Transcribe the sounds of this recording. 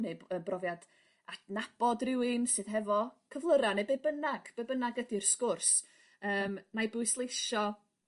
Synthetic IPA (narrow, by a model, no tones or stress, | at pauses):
neəbrɔvjad | atnab̥ɔdrɪwɨnsɨðɦɛvɔkʰəvlˠəɾanebebənaɡ̥b̥ebənaɡədirskʊrs | əːmnajbʊɨslˠejʃɔ